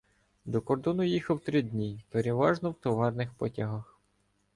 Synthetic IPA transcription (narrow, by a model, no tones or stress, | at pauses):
d̪ɔkɔrd̪ɔnʊjixɐwt̪ɾɪdʲnʲipeɾeʋɑʒnɔwt̪ɔʋɑrnɪxpɔtʲɐɦɐx